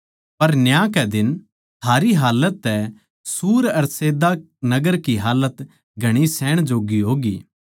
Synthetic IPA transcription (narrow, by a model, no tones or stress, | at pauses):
pɐɾnjãkɛd̪ɪn | t̪ʰaːɾiɦaːlət̪ːɛ | suːɾɐɾseːd̪a | nɐɡəɾkiɦaːlət̪ | ɡʱɐɽ̃isɛːɽ̃d͡ʒoːɡiɦoːɡḭː